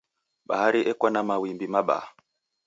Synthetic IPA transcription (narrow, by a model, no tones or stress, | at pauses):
ɓa̰haɾiʔɛkwanamawimbimaɓa̰a